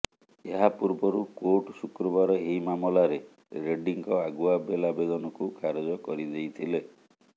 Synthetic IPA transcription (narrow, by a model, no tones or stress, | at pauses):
eɦapuɾbɔɾukoʈsukɾɔbaɾɔeimamɔlaɾe | ɾeɖiŋkɔaɡuabelabed̪ɔnɔkukʰaɾɔd͡ʒɔkɔɾid͡ʒejt̪ʰile